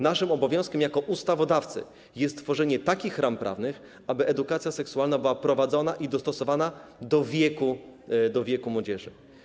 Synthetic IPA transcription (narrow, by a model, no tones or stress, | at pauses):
naʂɘmɔbɔvʲjɔ̃w̃skʲɛmjakɔʔust̪avɔd̪aft̪sɘ̰ | jɛst̪t̪ːfɔʐɛɲɛt̪akʲixɾʔampɾʔa̰vnɘx | abɘʔɛd̪ukat̪sʲjasɛksuwalnabɘwapɾɔvad̪zɔnaʔid̪ɔst̪ɔsɔvanad̪ɔvʲjɛkud̪ɔvʲjɛkumwɔd͡ʑɛʐɘ̰